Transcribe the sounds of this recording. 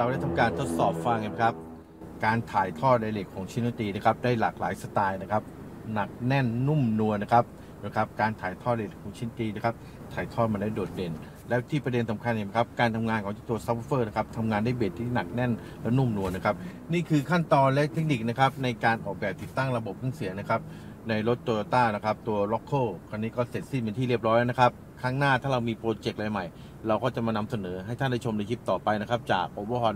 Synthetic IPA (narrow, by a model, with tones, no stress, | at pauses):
ɾa˧wda˥˩t̪ʰa˧mkaː˧nt̪ʰo˦˥t̪̚sɔː˨˩p̚fa˧ŋʔi˨˩mɛ˥kʰa˦˥p̚ | kaː˧nt̪ʰaː˩˦jt̪ʰɔː˥˩na˧jleː˨˩kʰːɔː˩˦ŋt͡ɕʰi˧˥na˧˩t̪iː˧na˦˥kʰa˦˥p̚daː˥˩jlaː˨˩k̚laː˨˩˦jsa˧t̪aː˧jna˦˥kʰa˦˥p̚ | na˨˩k̚nɛ˥˩nːu˥˩mnu˧əna˦˥kʰa˦˥p̚ | kʰa˦˥p̚kaː˧nt̪ʰaː˨˩˦jt̪ʰɔː˥˩la˧le˨˩kʰːŋt͡ɕʰi˧˥nt̪iː˧na˥kʰa˦˥p̚ | t̪ʰaː˨˩jt̪ʰɔː˥˩t̪̚ma˧ndaː˥˩jdoː˨˩t̪̚de˨˩n | lɛ˦˥wt̪ʰiː˥˩pɾa˧de˧nsa˨˩˦mkʰa˧nʔi˨˩mɛ˦˥˩kʰa˦˥p̚kaː˧nt̪ʰa˧mŋaː˧nkʰɔ˨˦ŋt͡ɕa˧˩t̪u˧ɐsa˦˥pːfɤː˥˩na˦˥kʰa˦˥p̚t̪ʰa˧mŋaː˧ndaː˥˩jbeː˨˩t̪ʰːiː˥˩na˨˩k̚nɛ˥˩n | lɛ˦˥wnu˥˩mnu˧əna˦˥kʰa˦˥p̚ | niː˥˩kʰɯː˧kʰa˥˩nt̪ɔː˧nlɛ˦˥ʔt̪ʰe˦˥k̚ni˨˩k̚na˦˥kʰa˦˥p̚na˧jkaː˧nʔɔː˨˩k̚bɛː˨˩p̚t̪i˨˩t̪ːa˥˩ŋɾa˧bo˨˩p̚kʰa˥˩ŋsi˨˩˦ɐna˦˥kʰa˦˥p̚ | na˧jɾo˦˥t̪ːu˧t̪aː˥˩na˦˥kʰa˦˥p̚t̪u˧ɐlɔ˦˥kʰːɤː˥˩kʰa˧nːiː˦˥kɔː˥˩se˨˩t̪̚si˥˩pe˧niː˥˩ɾi˥˩əp̚ɾɔː˦˥lna˦˥kʰa˦˥p̚ | kʰaː˦˥ŋnaː˥˩t̪ʰaː˥˩ɾa˧wmiː˧pɾoː˧t͡ɕe˨˩k̚la˧jma˨˩j | ɾa˧wkɔː˥˩t͡ɕa˨˩maː˧na˧msa˧nɤː˩˦ɦa˥˩jt̪ʰa˥˩nda˥˩jt͡ɕʰo˧mda˧jkʰi˦˥p̚t̪ɔː˨˩pa˧jna˦˥kʰa˦˥p̚t͡ɕa̰ː˨˩k̚ʔoː˧˦bɔː˧˩ɦɔ˧n